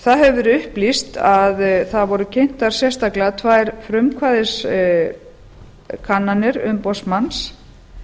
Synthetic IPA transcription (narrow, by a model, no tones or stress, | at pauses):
θaðɦɛvʏɾʏhplist̪aðθaðvɔɾʏcʰejn̥t̪aɾ̥sjɛst̪aklat̪ʰvaːjɾfɾʏmkʰvaːðɪs | kʰanːanɪɾʏ̰mpɔsmans